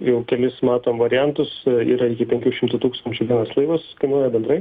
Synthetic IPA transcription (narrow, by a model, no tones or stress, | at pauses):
jɛʊkʲɛlʲɪsmɑːt̪oːmʋɐɾʲɪjænt̪ʊsiːɾɐɪkʲɪpʲɛŋʲkʲuːʃʲɪmt̪ʊt̪uːkst̪ɐnʲt͡ʃʲʊʋʲiɛnɐslˠɐɪʋɐskɐɪnuːjɛbʲɛnd̪ɾɐɪ